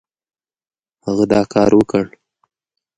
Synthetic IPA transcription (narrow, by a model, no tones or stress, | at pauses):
haɣad̪ɑkʰɑɾwəkəɽ